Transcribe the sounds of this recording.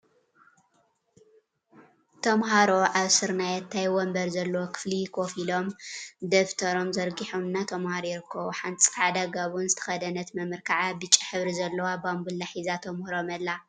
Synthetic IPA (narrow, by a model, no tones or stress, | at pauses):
t̪ʰɐmɦaɾo̞ʔaβsɨɾnajɛt̪ʰːajwɔmbɐɾzɐlːɐwokʰɨ̥flikʰo̞filo̞md̪ɐft̪ʰɐɾo̞mzɐɾɡiħomɨnːat̪ʰɐmhaɾojɪɾɨkʰːɐβuħant͡sʼi̥fad̪aɡaβunzɨt̪ʰɐ̥xɐd̪ɐnɐt̪mɐmɨɾkʰaʕabɨt͡ʃʼːiħɨβɾizɐlːɐwabambulːaħizat̪ʰɐmhɾomɐlːa